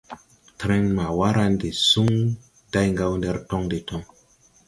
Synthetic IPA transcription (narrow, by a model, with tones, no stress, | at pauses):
tɾe˦nma˨wa˦ɾa˦nde˨su˦ŋ | d̥a˦jŋɡa˦wnde˦ɾtɔ˦ŋde˨tɔ˦ŋ